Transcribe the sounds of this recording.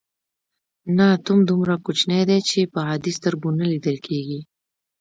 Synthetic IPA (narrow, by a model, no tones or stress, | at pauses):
nat̪umd̪umɾakut͡ʃnejd̪et͡ʃepəɦɑd̪ist̪əɾbunəlid̪əlkʰeɡi